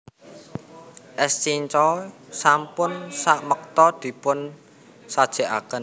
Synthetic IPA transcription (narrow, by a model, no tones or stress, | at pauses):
ʔɛst͡ʃiɲt͡ʃɔsampʊnsaʔmək̚t̪ɔd̪̥i̤pʊn | sad̥ʒ̥e̤ʔa̰kən